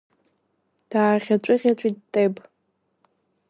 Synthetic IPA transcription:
d̥aːʁʲat͡ʃʷʼɨʁʲat͡ʃʷʼit̚tʼejpʼ

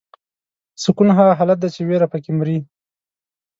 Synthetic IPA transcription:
sʊkunɦɑɦalat̪̚d̪at͡ʃeweɾapəkɪmɾi

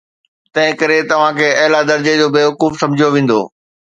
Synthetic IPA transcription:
t̪ɐ̃ɦɪ̃kɐɾet̪ɐʋ̤ãkʰeːɐɦɪlad̪ɐɾd͡ʑed͡ʑoːbeːʋɐkuːfsɐ̃md͡ʑʱijoʋẽːn̆d̪o̰ː

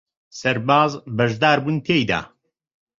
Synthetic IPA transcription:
sɐɾbaːzbɐʒd̪aːɾbuːnt̪ʰejd̪a̰ː

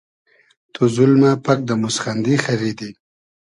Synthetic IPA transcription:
t̪ʰozʊlmapak̚d̪əmʊsχand̪ixaɾid̪i

